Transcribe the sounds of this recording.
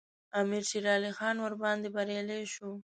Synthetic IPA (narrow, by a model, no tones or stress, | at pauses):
ɑmiɾʃiɾɑlixɑnwəɾbɑnd̪ebaɾjɑleʃu